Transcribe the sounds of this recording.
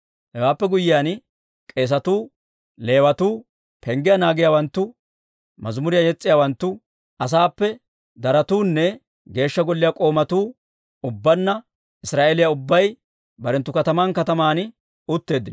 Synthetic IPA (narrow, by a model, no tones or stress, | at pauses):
hɛwaːpːɛɡʊjːɪjaːn | kʼe̞ːs̬ɐt̪uː | le̞ːwɐt̪uː | pʰɛŋɡɪjanaːɡɪjaːwɐnt̪ːʊ | mɐzmʊɾɪjajɛt͡sʼːɪjaːwɐnt̪ːʊ | ɐs̬aːpːɛ | d̪ɐɾɐt̪uːnːɛ | ɡe̞ːʃːɐɡɔlːɪjakʼo̞ːmɐt̪uː | ʊbːɐnːɐ | ɪsɾaːʔeːlɪjaʊbːɐj | bɐɾɛnt̪ːʊkɐt̪ɐmaːnkɐt̪ɐmaːn | ʊt̪ːe̞ːd̪ːɪn